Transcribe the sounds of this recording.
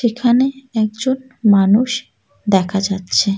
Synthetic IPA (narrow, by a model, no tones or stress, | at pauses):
ʃekʰaneɛk̚d͡ʑon | manuʃ | d̪ɛkʰad͡ʑatːɕʰe